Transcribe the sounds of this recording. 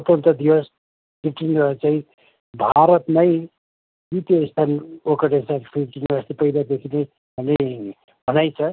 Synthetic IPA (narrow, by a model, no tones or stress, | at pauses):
ʌpʌnt̪ʌd̪iwʌs | piʈinʌt͡saĩ | bʱaɾʌt̪nʌj | bit̪ijʌist̪ʰanokʌʈesanpʰiʈinast̪ipʌjd̪ad̪ekʰinej | ʌne | bʱʌnajt͡sʰʌ